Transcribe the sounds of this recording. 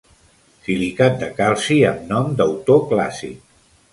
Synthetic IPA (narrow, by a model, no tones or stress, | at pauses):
silikat̪̚d̪əkalˠsiəmnɔmd̪əwt̪okla̰sḭk